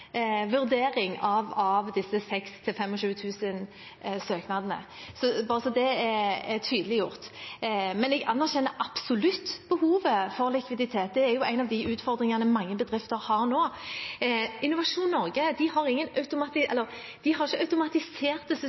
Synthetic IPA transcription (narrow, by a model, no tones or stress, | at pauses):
ʋʉʁd̪eːɾɪŋɑʋɑʋd̪ɪsːəsɛkst̪ʰɪlfɛmɔʃʉːət̪ʰʉːsən | søːknɑd̪ənə̰sɔbɑːʁəsɔd̪ɛɛɛt̪ʰyːd̪əlɪjʊʁt̪ | mɛnɛɡɑnːæʁɕɛnːəɾʔɑpsʊlʉt̪ːb̥əhuːʋəfɔʁlɪkʋɪd̪ɪt̪ʰeːt̪̚d̪ɛæɾjʊʔæɪnɑʋd̪ɪʉːt̪fɔʁd̪ʁɪŋɑnəmɑŋːəbəd̪ʁɪft̪əɾhɑːʁnoː | ɪnːʊʋɑʂuːnnɔʁɡəd̪ɪhɑʁɪŋːənɑʉt̪ʊmɑt̪ɪɛlːəʁ | d̪̥ɪɦɑɾɪçːəɑʉt̪ʊmɑt̪ɪseːʁt̪əs